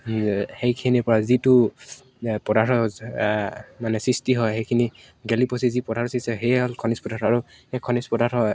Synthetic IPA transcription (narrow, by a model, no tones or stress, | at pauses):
hejkʰinipɔɹazitu | pɔdaɹɔz | manɛsɹistiɦɔjxejkʰini | ɡɛlipɔsizipɔdʱaɹɔsisɛɦejɦɔlkʰɔnispɔdaɾaɹu | ekʰɔnispɔdaɾhɔj